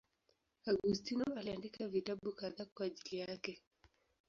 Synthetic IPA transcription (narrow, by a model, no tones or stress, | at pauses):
aɡustinɔaliandikavitaɓukaðakwaːʄilijakɛ